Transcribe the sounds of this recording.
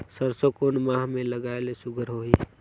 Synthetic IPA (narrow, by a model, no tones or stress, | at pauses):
səɾsokonmãːɦmẽləɡaelesʊɡʱəɾɦoi